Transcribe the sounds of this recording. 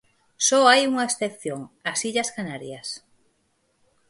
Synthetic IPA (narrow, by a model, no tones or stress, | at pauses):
sɔajuŋɐesθeθjoŋasiʎɐskanaɾjɐs